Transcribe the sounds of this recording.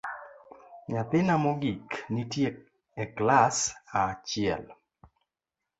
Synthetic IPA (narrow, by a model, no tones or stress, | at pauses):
ɲat̪ɪnamoɡiknitje | ɛklasat͡ʃɪɛ̰l